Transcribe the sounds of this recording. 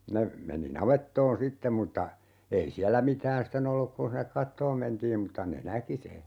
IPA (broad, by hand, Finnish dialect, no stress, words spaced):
ne meni nɑʋetːoːn sitːem̆ mutːɑ ei siælːæ mitæːn sten olːuk kun̞ hinːek kɑtːoːm mentiːm mutːɑ ne næki se